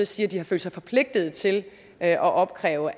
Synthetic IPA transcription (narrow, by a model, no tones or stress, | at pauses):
siːɐd̥ihɑ̈fø̰ːldsɑ̈ɪfɒ̽pʰle̝ɡ̥̚d̥ð̞̩ˠt͡sʰe̝l | øʔɒ̽ʔɒ̽b̥kʰʁɛ̰ːʊə